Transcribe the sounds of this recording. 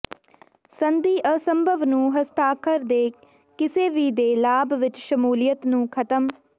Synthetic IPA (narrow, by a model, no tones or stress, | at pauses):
sənd̪iːʔəsəmbʱəʋnũːɦəst̪aːkʰəɾd̪eː | kɪseːʋiːd̪eːlaːbʋɪt͡ʃʃəmuːlijət̪nũːkʰət̪əm